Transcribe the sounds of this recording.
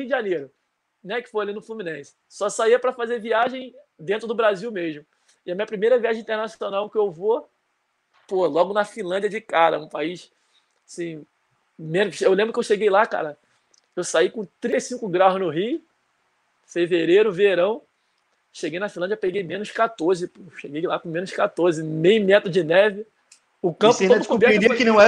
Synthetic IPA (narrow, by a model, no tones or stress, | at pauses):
iwd͡ʒɪʒɐnejɾʊ | nɛkɪ̥fojalinʊflumĩnẽsɪ̥sɔsaiɐpɾɐfazeviaʒẽj̃d̪ẽnt̪ɾʊd̪ʊbɾaziwmeʒmʊ | ɪɛmĩɲɐpɾimejɾɐviaʒẽt̪eɾnasonawkɪewvo | polɔɡʊnɐfĩlˠɐ̃d͡ʒɐd͡ʒɪkaɾɐ̰ũpaiʃ | asĩ | mẽnʊʃewlẽbɾʊkewʃeɡejlaka̰ɾɐ | ewsaijkõt̪ɾĩt̪ejsĩkʊɡɾaʊznʊɦiʊ | feveɾejɾʊveɾɐ̃w̃ | ʃeɡejnɐfĩlɐ̃d͡ʒɐpeɡejmẽnʊʃkat̪oɾzɪpoewʃeɡejlakũmẽnʊʃkat̪oɾzɪmejmɛt̪ɾʊd͡ʒɪnɛvɪ | ʊkɐ̃pʊodʊkubɛɾɾikɪnɐ̃w̃ɛ